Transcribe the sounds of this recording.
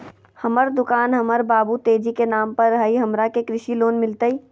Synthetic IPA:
hɐməɾd̪ʊkaːnɦɐməɾbaːbut̪eːd͡ʒikenaːmpɐɾɦɐiɦɐmɾakekɾɪʃiloːnmɪlt̪əiː

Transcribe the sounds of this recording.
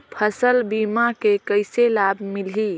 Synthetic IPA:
pʰəsəlbimakekəɪselabʱmilɦi

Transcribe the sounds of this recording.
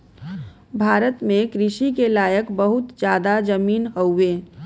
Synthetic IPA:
bʱaːɾət̪mẽkɾɪʃikelaːjəkbəɦʊt̪d͡ʒjaːd̪ad͡ʒəmiːnɦəueː

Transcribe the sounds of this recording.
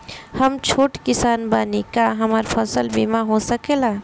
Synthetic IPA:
həmt͡ʃʰoːʈkɪsaːnbanikaɦəmaɾpʰəsəlbimaɦosəkela

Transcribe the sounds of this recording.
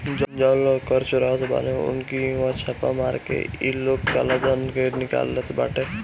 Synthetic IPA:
d͡ʒd͡ʒãːlokəɾt͡ʃʊɾaot̪ʰba̰neʊ̰nkiʋãt͡ʃʰapa̰maːɾkḛiloːkkalad̪ankenɪka̰ːlːet̪ʰba̰ːʈe

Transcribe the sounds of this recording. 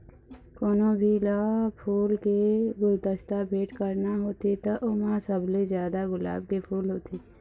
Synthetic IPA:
koːnobʱilapʰuːlkeɡʊɾt̪əst̪abʱeːʈkəɾnaɦoːt̪et̪əʔʊmãsəblezjaːd̪aɣʊla̰ːb̚kepʰuːlɦoːt̪iː

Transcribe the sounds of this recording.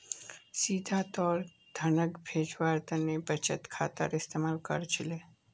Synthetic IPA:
siːd̪ʱat̪ɔːɾ | d̪ʱənəkbʱeːd͡ʒʋaːɾt̪ənebət͡ʃə̰t̪kʰa̰ːt̪ə̰ɾɪst̪eːmaːlkə̰ɾt͡ʃʰɪle

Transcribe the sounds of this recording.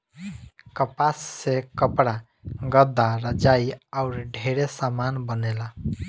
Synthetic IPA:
kəpasːekəpɽa | ɡəd̪ːaɾəd͡ʒaiaʊɾɖʱeɾesamanbənela

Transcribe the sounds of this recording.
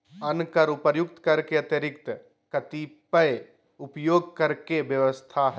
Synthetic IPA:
ɐnkəɾʊpəjʊkt̪kɐɾkeɐt̪jəɾɪkt̪ə | kɐt̪ipəj | ʊpjoːɡ̚kɐɾkebjəʋəst̪ʰaɦɛ

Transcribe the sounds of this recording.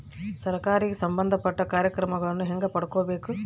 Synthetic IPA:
sɐɾkaːɾiɡesɐmbɐnd̪ʱɐpɐʈːɐkaːɾjɐkɾɐmɐɡɐɭɐnːuɦeŋɡɐpɐɽɐkoːbe̞ːku

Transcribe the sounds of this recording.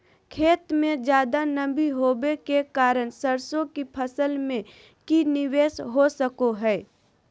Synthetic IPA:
kʰeːt̪mẽd͡ʒjaːd̪anəbiɦoːbekekaːɾəɽ̃səɾsõkipʰəsəlmẽ | kinɪʋeːsɦosəkoɦɛː

